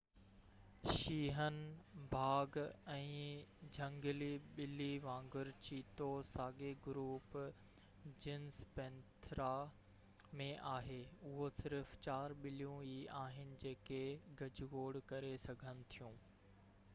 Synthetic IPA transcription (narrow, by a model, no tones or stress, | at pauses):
ʃiːɦənbʱaːɡɛ̃ːd͡ʑʱɐ̃ŋɡliɓɪliʋãːŋɡʊɾt͡ɕiːt̪osaːɡeɡʊɾuːp | d͡ʑɪnspɛ̃ːnt̪ʰɾa | mẽʔaːɦeʊɦosɪɾft͡ɕaːɾɓɪlijũiaːɦɪnɪ̆d͡ʑeːkeɡɐd͡ʑɡoːɽkɐɾesɐɡʱənɪ̆t̪ʰijũː